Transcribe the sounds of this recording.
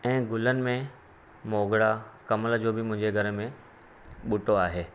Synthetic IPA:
ɛ̃ːɡʊlənɪ̆mẽ | moːɡɽakɐməld͡ʑoːbɪmʊ̃ɦɪ̃ɲd͡ʑeɡʱɐɾ̆mẽ | ɓʊʈoaːɦeː

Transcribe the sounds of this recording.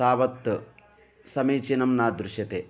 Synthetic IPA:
aːʋɐt̪ː | sɐmiːt͡ʃinɐmnaːd̪ɾuʃjɐt̪eː

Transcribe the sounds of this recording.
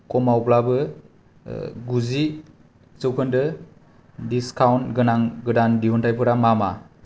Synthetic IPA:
kɔmauplabɯ | ɡuzi | t͡ʃɯwkʰɯndɯ | diskawntɡɯnaŋɡɯdandiɦɔntʰajpʰɯɾamama

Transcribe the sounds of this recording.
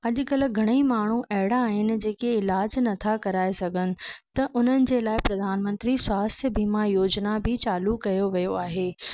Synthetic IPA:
ɐʄʊ̆kɐl̆ɡʱɐɽ̃əimaːɳ̤uʔɐɦɪɽaːɦɪnɪ̆d͡ʑeːkeɪlaːd͡ʑnɐt̪ʰakɐɾaːesɐɡʱənɪ̆t̪ɐʔʊn̤ənɪ̆d͡ʑeːlaːɪpɾɐd̪ʱaːnmə̃nt̪ɾiswaːst̪ʰəbiːmajoːd͡ʑnabʱɪt͡ɕaːlukɐjoʋijoaːɦeː

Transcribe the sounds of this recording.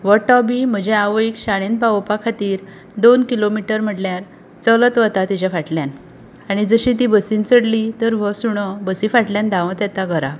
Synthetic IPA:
ʋəʈɔbim̤əd͡ʑeaʋəikɕaɽ̃enpaopakʰat̪iːɾ | d̪onkilomiʈəɾm̤əʈljaɾ | t͡sələt̪ʋət̪at̪id͡ʑafaʈljan | aɽ̃id͡zəɕit̪ibəsint͡səɽlit̪əɾʋəsuɽ̃əbəsifaʈljãnd̪ãʋə̃t̪jat̪aɡʱəɾa

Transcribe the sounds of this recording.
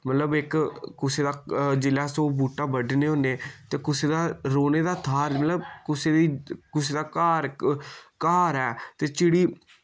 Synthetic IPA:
mət̪ləbɪkkʊseːd̪aːd͡ʒɪlaːsoːbuːʈaːbəɖneːɦõːneːt̪eːkʊseːd̪aːɾoːneːd̪aːt̪ʰaːɾmət̪ləbkʊseːd̪iːkʊseːd̪aːkaːɾ | kaːɾɦɛːt̪eːt͡ʃɪɽiː

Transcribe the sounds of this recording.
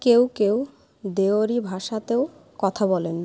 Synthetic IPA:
kewkew | d̪eoɾibʱaʃat̪eo | kɔt̪ʰabɔlen

